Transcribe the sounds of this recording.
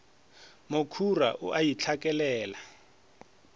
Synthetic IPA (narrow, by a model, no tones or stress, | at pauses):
mokʰura̰ʔʊ̰ʔajit͡ɬʰakʼɛlɛːla